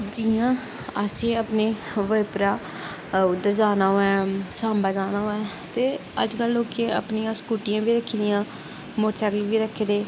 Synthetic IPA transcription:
d͡ʒɪjãː | asẽːəpneːʋəjpɾaː | ʊd̪ːəɾd͡ʒaːnaːoːɛ̃ːsãːmbaːd͡ʒaːnaːɦoɛ̃ːt̪eːə̰d͡ʒkəlːoːkeə̰pnijãːskuːʈɪjãːbiːɾəkʰːd̪ɪjãː | moːɾt͡ʃʰɛːkəlʋiːɾəkʰːd̪eː

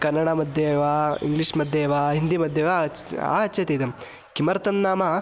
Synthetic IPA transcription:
kɐɾnːɐɽamɐd̪ʱjeːʋaːḭŋɡliʂmɐd̪ʱjeːʋaːɦind̪imɐd̪ʱjeːʋaa̰ɐtːt͡ʃʰɐt̪eːd̪ɐm | kimɐɾt̪ɐnːaːma

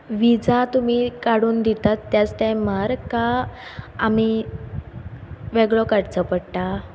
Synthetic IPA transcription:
ʋid͡zat̪umiːkaɽuːnd̪it̪at̪ːjat͡st̪ajməɾkaː | m̤i | ʋeɡɭɔkaɽt͡səpəɽʈa

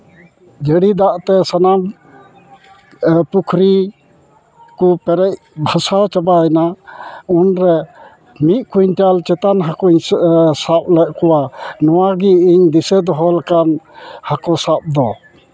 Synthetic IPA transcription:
d͡ʒəɽid̪aʔt̪ɛsanam | pukʰɾi | kupɛɾɛc̚ | bʱasat͡ʃabaɛnaɔnɾɛ | miʔ̪̚kuɲʈalt͡ʃɛt̪anɦakuɲsap̚lɛʔ̚kɔwanɔwaɡiiɲd̪isɛd̪ɔɦɔlakanhakɔsap̚d̪ɔ

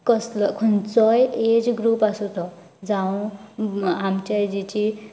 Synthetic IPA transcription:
kʌslʌkʰunt͡sʌjed͡zɡɾupasut̪ʌ | d͡zaw̃ | ɦamt͡ʃajd͡zit͡si

